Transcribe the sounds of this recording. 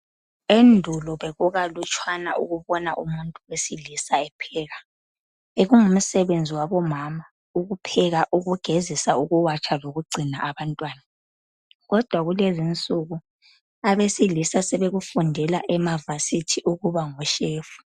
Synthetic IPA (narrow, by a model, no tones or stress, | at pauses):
endʱulɔβeɣuɣalut͡ʃʰʼwana̰ʔuɣuβɔnaʔṵmuntʼuesilisaɛpʰɛːɣa | eɣuŋum̩sɛβend͡zʱiwaβɔmama | uɣupʰɛɣaʔuɣuɡ̥ʱezisauɣuwat͡ʃʰaloɣuɡ͡ǀʱinaʔːβantʼwaːna | ɣɔd̥ʱwaɣulezint͡sʼuɣu | aβesilisasɛβeɣufundʱɛlaʔɛmavasitʰiʔuɣuβaŋɔʃeːfu̥